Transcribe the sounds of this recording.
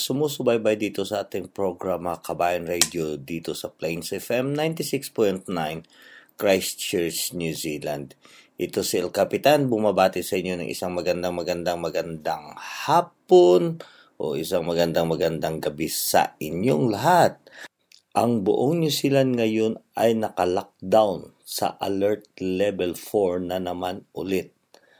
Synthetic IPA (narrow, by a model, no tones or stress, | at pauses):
sʊmusʊbajbajd̪iːt̪o̞sɐʔaːt̪ɪŋpɹoɡɹamɐkʰɐbaːjɐnɹɛjd̪jod̪iːt̪o̞sɐplɛjnsɐʔɛfɛmnajnt̪ɪsɪkspojnt̪najn | kɹajst͡ʃɛɹt͡ʃnjusiːland̪ʔɪt̪o̞sɪʔɛlkapɪt̪anbʊmabaːt̪ɪsɐʔɪɲo̞nɐ̰ŋʔɪ̰saŋmɐɡɐnd̪aŋmɐɡɐnd̪aŋmɐɡɐnd̪aŋhaːpon | ʔo̰ʔɪsaŋmɐɡɐnd̪aŋmɐɡɐnd̪aŋɡɐbɛsɐ̰ʔɪɲjoŋlɐɦat̪̚ | ʔɐŋbʊʔoŋnjusiːland̪̚ŋɐjo̞nʔɐjnɐkɐlak̚d̪awn | sɐ̰ʔɐ̰lɛɹt̪̚lɛbɛlfoɹnɐnɐmanʔʊlɪt̪̚